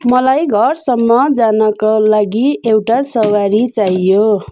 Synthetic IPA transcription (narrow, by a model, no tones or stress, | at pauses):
mʌlajɡʱʌrsʌmːʌd͡zanʌkalaɡiewʈasʌwaɾit͡saijo